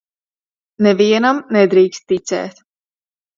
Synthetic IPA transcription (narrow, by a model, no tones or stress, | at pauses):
nɛviɛnamnɛd̪ɾiːkst̪̚ːit̪sɛ̰ːt̪